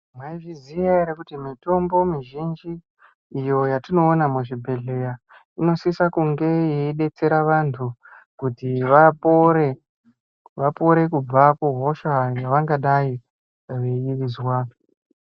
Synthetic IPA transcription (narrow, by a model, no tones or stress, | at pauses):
mwaivizijaiɾekutimito̞mbo̞miʒind͡ʒiː | jo̞jatino̞ːnamuʐibʱe̞ɮe̞ja | ino̞sisakuŋɡe̞jeiɗe̞t͡se̞ɾaʋantʰu | kutiʋapoɾe | ʋapo̞ɾe̞kub͡vakuɦo̞ʃajaʋaŋɡaɗai | ʋejiʋizwaː